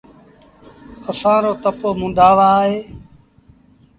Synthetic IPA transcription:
əsãːɾoːt̪əpoːmʊ̃nd̪aːʋaːɦeː

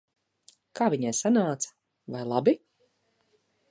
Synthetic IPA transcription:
kʰaːviɲɛjsanaːt̪sḁ | vajlˠabi

